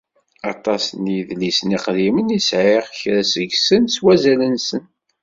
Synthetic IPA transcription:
ɑt̪ˤɑsniðlisniqðimənisʕɪʁçɾæsəʝsənswæzælənsən

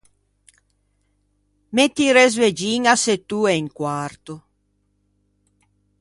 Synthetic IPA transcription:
met̪ːiɾezved͡ʒiŋaset̪uɛiŋkwaɾt̪o

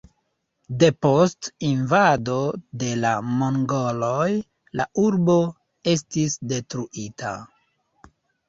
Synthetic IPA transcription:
de̞po̞stinvado̞de̞lamoŋɡo̞lo̞j | lauɾbo̞ | e̞s̬tisde̞tɾuʔitʰa̰

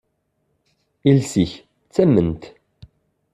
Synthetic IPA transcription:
ilsiç | t͡sːæmːənt̪

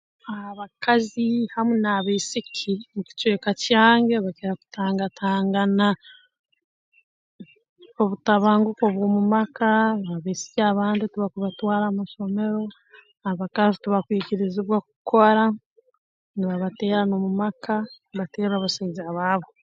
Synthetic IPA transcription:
ahaβakazihamunaβeːsikʰimuci̥t͡ʃweːkacjaːŋɡeβakeɾaku̥tʰaːŋɡatʰaːŋɡana | oβutaβaːŋɡuko̞βwoːmumakaβaβeːsi̥ciaβaːndituβakuβatwaːɾamaʃo̞me̞ɾo̞ | aβakazituβakwiːciɾiziβwaku̥kʰoɾa | niβaβate̞ːɾano̞mumakanβateːɾaβasaiziaβaːβo

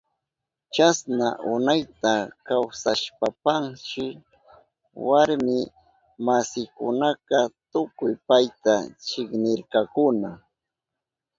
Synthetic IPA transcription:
t͡ʃasnaʔʊnajt̪akawsaʃpapaŋʃɪ | waɾmɪ | masɪkʊ̰naqɑt̪ʊkʊjpajt̪at͡ʃɪknɪɾkɑkʊna

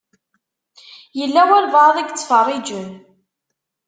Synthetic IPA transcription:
jəlːæwæɾvɑðˤiɡt͡sːfərˤːid͡ʒən

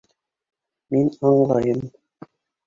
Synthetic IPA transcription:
minɑɴlˠɑjɤm

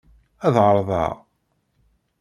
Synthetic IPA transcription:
æðʁəɾˤðˤɑ̰ʁ

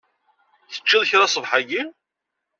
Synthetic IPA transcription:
θə̥t͡ʃːɪðˤçɾɑsˤəvħaɡin

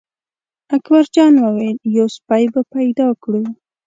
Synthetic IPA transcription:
akbaɾd͡ʒɑnwəwajljospajbapajd̪ɑkɽu

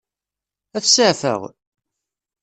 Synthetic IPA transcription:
æθsəʕfə̰ʁ

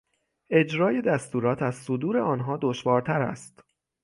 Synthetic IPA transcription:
ʔe̞d͡ʒɾɒːje̞d̪æst̪uːɾɒːt̪ʰæzsod̪uːɾe̞ɒːnɦɒːd̪oʃvɒːɾt̪ʰæɾæ̰st̪

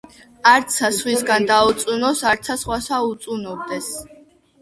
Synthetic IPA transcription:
aɾt̪sʰasχwisɡand̪aut̪sʼunɔsaɾt̪sʰasχwasaut̪sʼunɔb̚d̪ɛs

